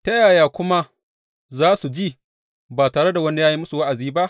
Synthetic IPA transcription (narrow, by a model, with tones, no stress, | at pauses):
tɐ˦jaː˨jaː˨kʷʊ˦ma˦ | zaː˦su˨d͡ʒiː˦˨ | baː˨taː˨ɽe˦da˨wɐ˦ne˦˨jaː˦ji˦mʊ˦su˨wa˦ʔa˨ziː˦ba˦ʔ